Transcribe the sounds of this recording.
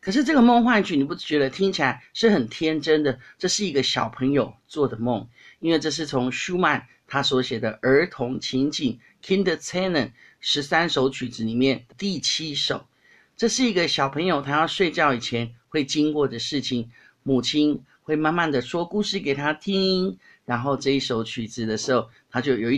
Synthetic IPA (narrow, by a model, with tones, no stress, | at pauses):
kʰɤ˨˩ʂɻ̩˥˧ʈ͡ʂɤ˥˩ɡə˨˩mo˥˧ŋxwa˥˧nt͡ɕʰy˥˩ni˨˩pu˧˩ʂ̩˥˩t͡ɕɥɛ˧˥d̪ə˧t̪ʰi˥ŋt͡ɕʰi˨la˨˧˥ɪʂɻ̩˥˩xə˨˩nt̪ʰjɛ˥nʈ͡ʂə˥nd̪ə˨ʈ͡ʂɤ˥˧ʂɻ̩˥˩i˧˥ɡə˧ɕjɑ˨˩ʊpʰɤ˧˥ŋjo˨˩ʊt͡swɔ˥˩d̪ə˩mo˥˩ŋ | i˥nwe˥˧ɪʈ͡ʂɤ˥˧ʂ̬ɻ̩˥˩t͡sʰʊ˧˥ŋɕu˥ma˨˩n | t̪ʰa˥swɔ˧˥ɕjɛ˨˩d̪ə˦ʔə˞˧˥t̪ʰʊ˧˥ŋt͡ɕʰi˧˥ŋt͡ɕi˨˩n | kʰi˥nd̪ə˧t͡sʰe˥nə˨˩n | ʂɻ̩˧˥sa˥nʂo˧˥ʊt͡ɕʰy˨˩t͡sɹ̩˧˦ni˨˩mjɛ˥˩nd̪ət̪i˥˩t͡ɕʰi˥ʂo̰˨˩˦ʊ | ʈ͡ʂɤ˥˧ʂɻ̩˥˩i˧˥ɡə˧ɕjɑ˨˩ʊpʰɤ˧˥ŋjo˨˩ʊt̪ʰa˥jɑ˥˧ʊʂwe˥˧ɪt͡ɕjɑ˥˩ʊi˨˩t͡ɕʰjɛ˧˥nxwe˥˩ɪt͡ɕi˥ŋkwɔ˥˩də˩ʂɻ̩˥˩t͡ɕʰi˨˩ŋ | mu˨˩t͡ɕʰi˥n | xwe˥˧ɪma˥˧nma˥˩nd̪ə˩ʂwɔ˥ku˥˧ʂɻ̩˥˩ke˨˩ɪt̪ʰa˥t̪ʰi˥ŋi˥ŋ | ɻa˧˥nxo˥˧ʊʈ͡ʂɤ˥˧i˥˩ʂo˧˥ʊt͡ɕʰy˨˩t͡sɹ̩˨˦d̪ə˩ʂɻ̩˧˥xo˥˩ʊt̪ʰa˥t͡ɕjo˥˩ʊjo˨˩i˥˩